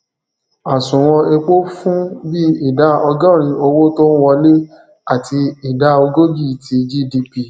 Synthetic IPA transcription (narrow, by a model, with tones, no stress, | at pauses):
a˨sũ˨w̃ɔ̃˧e˧k͡po˦fũ˦bi˦i˦˨da˨˦ɔ˧ɡã˦˨ɾ̃ĩ˧o˧wo˦to˦n̩˦wɔ˧le˦ | a˦˨ti˧i˦˨da˨˦o˧ɡo˦ɡi˦˨tʰi˧d͡ʒi˦di˧pi˦˨